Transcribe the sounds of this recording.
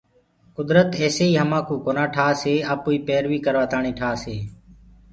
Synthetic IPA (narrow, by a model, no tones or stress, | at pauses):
kʊd̪ɾət̪eːseːiːɦəmãːkʰuːkoːnãːʈʰaːseːaːpuːiːpeːɾʋiːkəɾʋaːt̪aːɳiːʈʰaːseː